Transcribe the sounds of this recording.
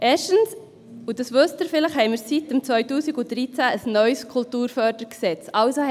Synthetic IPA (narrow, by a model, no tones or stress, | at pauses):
ʔeːʃtəns | udəsʋɵstəɾfɪləχhɛɪmɪːɾsit̚ːəmt͡svœʏtuːsiɡutd̥ɾit͡sæəsnœʏskʰultuːɾfœɾdəɾksɛt͡sɑʊso